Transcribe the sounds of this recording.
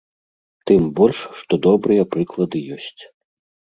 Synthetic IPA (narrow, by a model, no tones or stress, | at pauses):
t̪ɨmbɔlʲʂʂt̪ɔd̪ɔbɾɨjɐpɾɨklˠɐd̪ɨjɔsʲt͡sʲ